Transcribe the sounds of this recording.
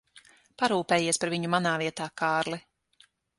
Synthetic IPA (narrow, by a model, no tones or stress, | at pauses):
paɾuːpeːjiɛspaɾviɲumanaːviɛt̪aːkaːɾli